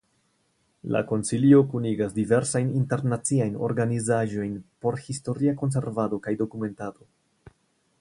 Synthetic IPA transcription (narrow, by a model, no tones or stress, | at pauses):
la̰ko̞nsilio̞kuniɡasdive̞ɾsajninte̞ɾnat͡siajno̞̰ɾɡanizaʒo̞jnpo̞ɾhisto̞ɾiako̞ns̬e̞ɾvado̞kajdo̞kume̞ntado̞